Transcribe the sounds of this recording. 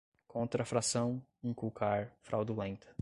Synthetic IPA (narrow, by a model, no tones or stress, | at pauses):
kʰõnt̪ɾɐafɾasɐ̃w̃ĩkukʰaɾfɾʔawd̪ulẽnt̪ɐ̥